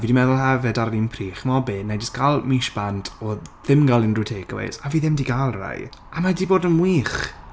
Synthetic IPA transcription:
viːdimɛðʊlˠɦɛvɛdaɾlinpʰriːχmɔbenejd͡ʒɪsɡ̥alˠmiʃb̥antʰɔðɪmɡalˠɪnrutʰeːɡwḛsaviːðɪmdiːɡalˠra̰jamadiːboːdənmwiːχ

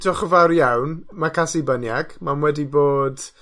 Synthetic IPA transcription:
dɔχəvaɾjawnmakʰasibənjaɡ̥mamwɛdiboːd

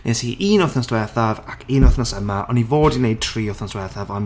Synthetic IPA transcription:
nḛsiʔʔiːnɔθnɔsd̥wɛθavakʰiːnɔθnɔsəmaʔɔ̰nːivoːdinejd̚tʰriːɔθnɔsd̥wɛθavɔn

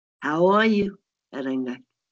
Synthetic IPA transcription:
hawɔju | a̰ɾaŋɡak

